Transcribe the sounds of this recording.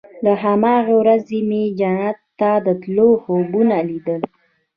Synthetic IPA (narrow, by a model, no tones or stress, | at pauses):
laɦamɑɣewɾazemed͡ʒanat̪ːad̪ət̪lohobunalid̪əl